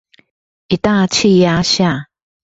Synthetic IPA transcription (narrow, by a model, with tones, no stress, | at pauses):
ʔi˨t̪a˥˧t͡ɕʰi˥˧ja˥˦ɕja˥˨